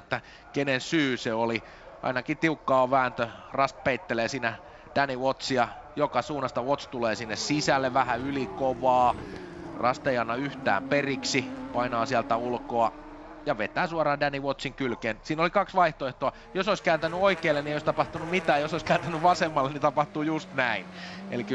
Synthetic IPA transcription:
t̪ːæ | kenensyːseoli | ɑ̰inɑkit̪iukːɑːʋʋæːnt̪ørɑst̪̚peit̪ːeleːsiːnæ | d̥æniʋot̪siɑjokɑsuːnɑst̪ɑʋot̪st̪uleːsinːessisælːeʋæhæylikoʋɑː | rɑ̰st̪ejɑnːɑyht̪æ̰ːmperiksipɑinɑːsiælt̪æulkoɑ | jɑʋet̪ˑæːsuɑrɑːdæniʋot̪siŋkylkeːnsiːnolikɑksʋɑiht̪oeht̪oɑ | josoiskæːnt̪ænyoikeːlːeniejoist̪ɑpɑht̪unummit̪æːjosoiskæːnt̪ænyʋɑsemːɑlːenit̪ɑpɑht̪uːjust̪næinḛlikː

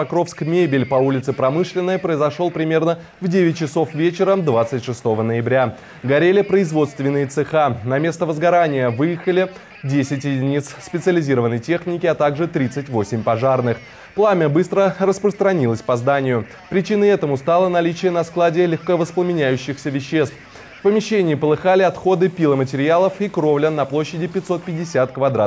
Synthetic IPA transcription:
pɐkɾo̞fskmʲebʲɪlʲpɐulʲɪt̪sɨpɾɐmɨʂlʲɪnːəjpɾəɪzɐʂo̞lˠpɾʲɪmʲe̞rnə | vdʲevʲɪt̚ʲt͡ɕɪso̞fvʲet͡ɕɪɾəd̪vat̪sɨtʲʂɨst̪o̞vənəjɪbɾʲa | ɡɐɾʲelʲɪpɾəɪzvo̞t̪st̪vʲɪnːɨjət̪sɨxanɐmʲe̞st̪əvəzɡɐɾanʲɪjəvɨjɪxəlʲɪ | dʲesʲɪtʲjɪdʲɪnʲit̪sspʲɪt̪sɨəlʲɪzʲiɾəvənːəjtʲexnʲɪkʲɪɐt̪aɡʐɨt̪ɾʲit̪sɨtʲvo̞sʲɪmʲpɐʐarnɨx | plˠamʲəbɨst̪ɾərəspɾəst̪ɾɐnʲilˠəsʲpɐzd̪anʲɪjʊ | pɾʲɪt͡ɕinəɛt̪əmʊst̪alˠənɐlʲit͡ɕɪjənɐsklˠadʲɪlʲɪxkəvəsplˠəmʲɪnʲæjʉɕːɪxsʲəvʲɪɕːe̞st̪f | fpəmʲɪɕːenʲɪːɪpəlˠɨxalʲɪɐt̪xo̞d̪ɨpʲilˠəmətʲɪɾʲɪalˠəfikɾovlʲənɐplˠoɕːɪdʲɪpʲɪt̪ʲso̞t̪̚pʲɪdʲːɪsʲat̪kvɐd̪ɾa̰

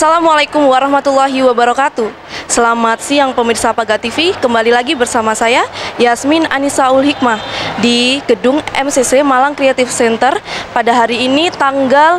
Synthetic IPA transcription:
asalamwalajkumwaɾahmat̪ulːaɦiwabaɾakat̪u | səlamat̪̚sijaŋpəmirsapaɡat̪ifikəmbalilaɡibərsamasajajasmina̰nisaʊlɦik̚madiɡ̥ədʊŋɛ̰msesemalaŋkɾeat̪ɪfsɛnt̪ərpadaɦaɾiːnit̪aŋɡal

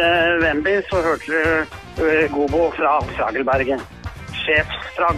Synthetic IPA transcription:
ʋɛmbɪsɔhøːʈʰəɾɛ | ɡuːbʊfɾɑsɾɑ̰ːɡəlbæɾɡən | ʂeːfsfɾɑ

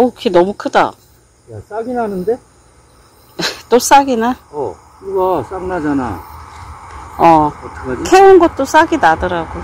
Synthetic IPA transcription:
okʰenʌmukʰɯda̰ | jas͈aɡinɦanɯnde̞ | t͈os͈aɡinaʌ | kɯɡas͈aŋnad͡ʑana̰ | ʌʌtʰɯɡakʰeunɡʌt̚t͈os͈aɡinadʌɾaɡo

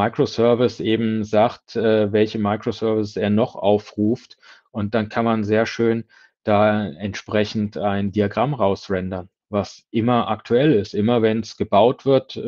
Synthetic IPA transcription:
aɪkʁ̥osœɐvɪsʔeːbm̩zaːktʔɛːvɛlçəmaɪkʁ̥osœɐvɪseːɐnɔχʔa̰ʊfʁuːftʔʊnt̚d̥ankʰanmanzeːɐʃøːn | d̥aːɛntʃpʁ̥ɛçn̩taɪndiaɡʁamʁaʊsʁɛndɐn | vasʔɪmɐʔaktʰuɛlɪstʔɪmɐvɛnsɡ̥əbaʊtv̥ɪɐt

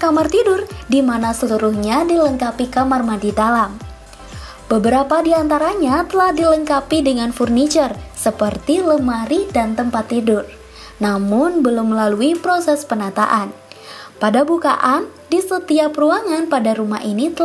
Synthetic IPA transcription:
kamart̪idʊrdimanasəluɾuhɲadiləŋkapikamarmadidalam | b̥əbəɾapadiant̪aɾaɲat̪əlahdiləŋkapidəŋanfurnit͡ʃərsəpərt̪iləmaɾidant̪əmpat̪ːidʊr | namʊnbəlʊmːəlaluipɾosɛspənat̪a̰ʔan | padabuka̰ʔan | disət̪iapəɾuaŋanpadaɾumahinit̪ə

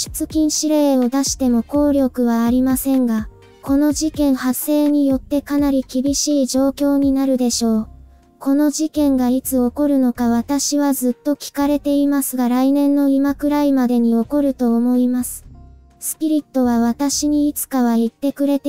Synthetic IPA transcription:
ɕi̥t͡sɨkʲĩɰ̃ɕiɾe̞ːo̞d̪aɕi̥t̪e̞mo̞ko̞ːɾʲo̞kɯ̟βaːɾʲimasẽ̞ŋɡa | ko̞no̞ʑikẽ̞ɰ̃hasːe̞ːɲ̟ijo̞t̪ːe̞kanaɾʲikʲibʲiɕiːʑo̞ːkʲo̞ːɲ̟inaɾɯ̟d̪e̞ɕo̞ː | ko̞no̞ʑikẽ̞ŋɡait͡sɨo̞ko̞ɾɯ̟no̞kaβ̞at̪aɕiβazɨt̪ːo̞kʲi̥kaɾe̞t̪e̞imasɨɡaɾainẽ̞nːo̞imakɯ̟ɾaimad̪e̞ɲ̟io̞ko̞ɾɯ̟t̪o̞ːmo̞imasɨ̥ | sɨ̥pʲiɾʲit̪ːo̞β̞aβat̪aɕiɲ̟iit͡sɨ̥kaβ̞ait̪ːe̞kɯ̟ɾe̞t̪e

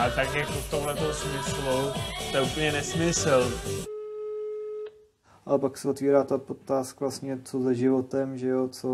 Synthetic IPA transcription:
ʔat̪akjakoft̪omlɛt̪owsmɪslut̪ɛupəɲɛnɛsmɪsl̩ | ʔalɛpaksɛot̪viːɾaːt̪apot̪ːaːskvlasɲɛt͡sozɛʒɪvo̞t̪ɛmʒɛjot͡so

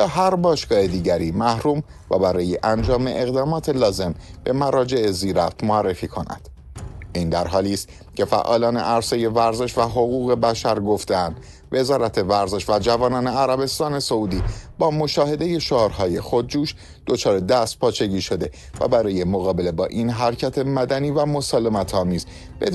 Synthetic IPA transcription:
ɒːɦæɾbɒːʃɡ̥ɒːhed̪iːɟæɾiːmæhɾuːm | væbæɾɒːje̞ʔænd͡ʒɒːme̞ʔeɣd̪ɒːmɒːt̪ʰe̞lɒːze̞mb̥e̞mæɾɒːd͡ʒe̞eziːɾæft̪moærːefiːkʰo̞næ̰nd̪̥ | ʔiːnd̪æɾɦɒːliːst̪ | cʲʰe̞fæ̰ʔɒːlɒːne̞̰ʔæɾse̞je̞væɾze̞ʃvæɦo̞ɣuːɣe̞bæʃæɾɡo̞ft̪eænd̪ | ve̞zɒːɾæt̪ʰe̞væɾze̞ʃvæd͡ʒævɒːnɒːneæɾæbe̞st̪ɒːne̞so̞uːd̪iːbɒːmo̞ʃɒːhe̞d̪e̞je̞ʃoɒːɾɦɒːje̞xo̞d̪̚d͡ʒuːʃ | d̪̥o̞t͡ʃʰɒːɾed̪æst̪̚pʰɒːt͡ʃʰe̞ɟiːʃo̞d̪e̞ | væ̰bæɾɒːje̞moɣɒːbe̞le̞bɒːʔinɦæɾcʰæt̪ʰe̞mæd̪æniːvæmo̞sɒːle̞mæt̪ʰɒːmiːz | b̥e

